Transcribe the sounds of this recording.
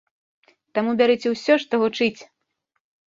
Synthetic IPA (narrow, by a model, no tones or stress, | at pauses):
t̪amubʲaɾɨt͡sʲɛwsʲɔʂt̪ɔɣut͡ʂɨt͡sʲ